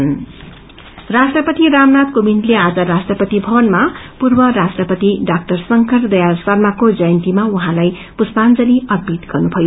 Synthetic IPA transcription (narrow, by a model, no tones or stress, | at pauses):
n | rasʈrʌpʌt̪iramnat̪komintlead͡zʌɾasʈrʌpʌt̪ibʱʌbʌnmapurbʌɾasʈrʌpʌt̪iɖak̚ʈʌrsʌŋkʰʌrd̪ʌjarsarmakod͡zʌjʌnt̪imauɦãlaj | puspand͡zʌliʌd̪̚bʱit̪ɡ̥ʌrnubʱʌjo